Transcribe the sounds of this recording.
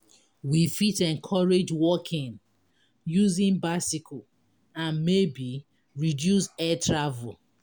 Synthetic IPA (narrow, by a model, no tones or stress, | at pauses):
wifitɛ̃nkʰɔɹed͡ʒwɔkʰĩn | juzĩnbaɪsikʰɔ | ãnmebi | ɹidjusɛtʰɹavul